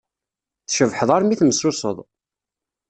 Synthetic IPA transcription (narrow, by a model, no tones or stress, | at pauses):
θʃəvħəðˤɑɾmiθməsːusˤə̰ðˤ